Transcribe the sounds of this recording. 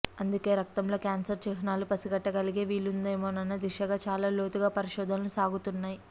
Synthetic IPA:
ɐnd̪uke̞ːɾɐk̚t̪ɐmlo̞ːkʲaːnsɐɾt͡ʃɛɦɐnaːlupɐsiɡɐʈːɐɡɐliɡe̞ːʋiːlːund̪ɐjmoːnɐnːɐd̪iʂɐɡaːt͡ʃaːlaːlo̞ːt̪uɡaːpɐɾiʃɔːd̪ʱɐnɐlusaːɡut̪unːaːji

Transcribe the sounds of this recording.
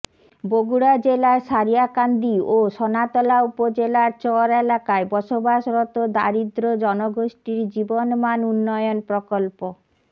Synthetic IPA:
boɡuɽad͡ʑelaʃaɾijakand̪ioʃɔnat̪ɔlaupod͡ʑelaɾt͡ɕɔɾelakaebɔʃobaʃɾɔt̪od̪aɾid̪ɾod͡ʑɔnoɡoʃʈiɾd͡ʑibonmanunːɔjonpɾɔkolpo

